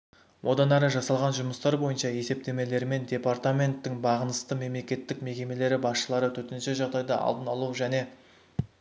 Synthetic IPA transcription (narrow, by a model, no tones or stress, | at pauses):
wʔo̞d̪ɑnæɾəʒɑsɑlˠʁɑnʒʊməst̪ɑɾbo̞jənʃɑje̞se̞p̚t̪e̞me̞le̞ɾme̞nd̪ʲe̞part̪amʲe̞nt̪ːɪŋbɑʁənəst̪əme̞mle̞kʲe̞t̪ːɪkme̞kʲe̞me̞le̞ɾɪbɑsʃəlˠɑɾət̪ʰɵt̪ɪnʃɪʒɑʁd̪ɑjd̪ɑʔɑ̰lˠd̪ənɑlˠuʒæne̞